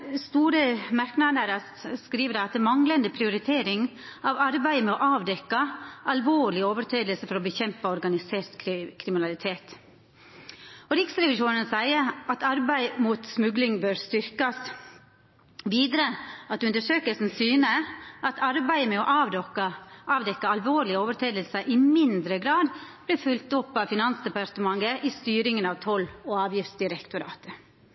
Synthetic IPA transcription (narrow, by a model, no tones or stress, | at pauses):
st̪uːɾəmɑɾknɑd̪əɾɑ | skɾiːʋəd̪æɑt̪d̪əmɑŋlənd̪əpʰɾɪʊɾɪt̪ʰeːɾɪŋ | ɑːʋɑɾbæɪmɛɔʔɑːʋd̪ɛkːɑʔɑlʋoːɭɪoːʋəɾʈʰeːd̪əlsəfɔɾɔbəçɛmpəɔɾɡɑnɪseːɾt̪kʰkʰɾɪmɪnɑlɪt̪ʰeːt̪ | ɔɾɪksɾɛʋɪʂuːnənsæɪəɑt̪ɑɾbæɪmuːt̪smʉɡlɪŋbøːɾst̪ʏɾkɑs | ʋiːd̪ɾəɑt̪ʉnd̪əʂøːkəlsn̩syːnəʔɑt̪ʰɑɾbæɪəmɛɔʔɑːʋd̪ɔkəʔɑːʋd̪ɛkːəɑlʋoːɾɭɪəoːʋəɾʈʰeːd̪əlsəʔɪmɪnd̪ɾəɡɾɑːd̪b̥lɪɾfʉlt̪ʊpːɑʋfɪnɑnsd̪ɛpɑɾt̪əmɑŋɡəʔɪst̪yːɾɪŋənɑʋt̪ʰɔlːɔɑːʋjɪft̪sd̪ɪɾɛkt̪ʊɾɑ̰ːt̪ə